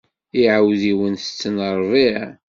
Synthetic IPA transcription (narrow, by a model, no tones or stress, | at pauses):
iʕawðiwənθət͡sːnəɾˤviʕ